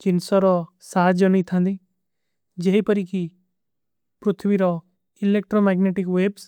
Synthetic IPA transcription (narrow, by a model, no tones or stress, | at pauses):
kɪnsɔɾɔsaːd͡ʒɔnit̪ʰãnd̪i | d͡ʒeipəɾiki | pɾʊt̪ʰbiɾɔ | ilek̚ʈɾomɛːɡneːʈikʋeːbs